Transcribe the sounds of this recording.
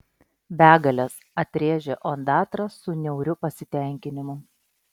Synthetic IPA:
bʲæːɡɐlʲɛs | ɐt̪ʲɾʲeːʒʲeʔond̪ɑːt̪ɾɐsʊnʲɛʊɾʲʊpɐsʲɪt̪ʲɛˑŋʲkʲɪnʲɪmʊ

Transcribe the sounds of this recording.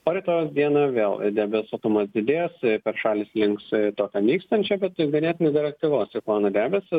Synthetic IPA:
oːɾʲɛɪt̪oːjoːsd̪ʲiɛnɐʋʲeːlˠd̪ʲæːbʲɛsɐt̪ʊmɐsd̪ʲɪd̪ʲeːspʲɛɾʃɑːlʲɪːslʲɪŋkst̪oːkʲɛmʲiːkst̪ɐnʲt͡ʃʲɛbʲɛt̪ɡɐnʲɛːt̪ʲɪnʲeɛd̪ʲɪɾʲɛk̚t̪ʲɪʋoːsɪkɑːnɐd̪ʲæːbʲɛsɪ

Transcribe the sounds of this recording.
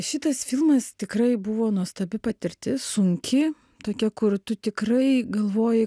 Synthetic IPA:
ʃʲɪt̪ɐsfʲɪlˠmɐst̪ʲɪkrɐɪbʊʋoːnuɔst̪ɐbʲɪpɐt̪ʲɪɾʲt̪ʲɪsʊŋʲkʲʰɪ | t̪oːkʲɛkʊrt̪ʊt̪ʲɪkɾɐɪɡɐlˠʋoːjɪ

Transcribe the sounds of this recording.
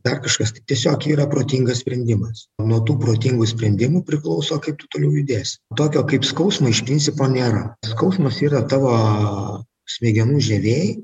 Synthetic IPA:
d̪ɐrkɐʃkɐst̪ɐɪt̪ʲiɛsʲoːkiːɾɐpɾoːt̪ʲiːŋɡɐsʲpʲɾʲɛnʲd̪ʲɪmɐsnuɔt̪uːpɾoːt̪ʲiːŋɡʊsʲpʲɾʲɛnʲd̪ʲɪmʊpʲɾʲɪklˠɐʊsoːkɐɪp̚t̪ʊt̪oːlʲɛʊjʊd̪ʲeːsʲt̪oːkʲoːkɐɪpskɐʊsmɐɪʃpʲɾʲɪnʲsʲɪpoːnʲeːɾɐskɐʊsmɐsiːɾɐt̪ɑːʋoː | sʲmʲeːɡʲɛnuːʒʲɛʋʲeːj

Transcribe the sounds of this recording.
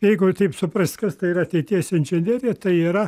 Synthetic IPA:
jɛɪɡʊt̪ʲɐɪpsʊprɐstkɐst̪ɐɪiɾɐɐt̪ʲɛɪt̪ʲiɛsɪnʲʒʲɛnʲerʲeːt̪ɐɪiːɾɐ

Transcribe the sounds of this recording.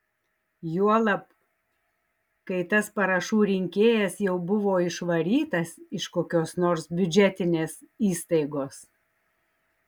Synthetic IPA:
juɔlˠɐp | kɐɪt̪ɐspɐɾɐʃuːɾʲɪŋʲkʲeːjɛsjɛʊbʊʋoːɪʃʋɐɾʲiːt̪ɐsɪʃkoːkʲoːsnoːɾsbʲʊd͡ʒʲɛt̪ʲɪnʲeːsiːst̪ɐɪɡoːs

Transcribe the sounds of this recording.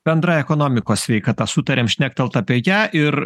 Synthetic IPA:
b̥ʲɛnd̪ɾɑːjɛkoːnoːmʲɪkoːssʲʋʲɛɪkɑːt̪ɑsʊt̪ɐɾʲeːmʃʲnʲæːk̚t̪ɐlˠt̪ɐːpʲoːjæːʔɪɾ

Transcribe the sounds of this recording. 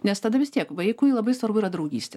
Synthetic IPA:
nʲɛst̪ɐd̪ɐʋʲɪst̪ʲiɛkʋɐɪkʊlˠɐbɐɪsʋɐɾbʊiːɾɐd̪ɾɐʊɡʲḭːsʲtʲɛ

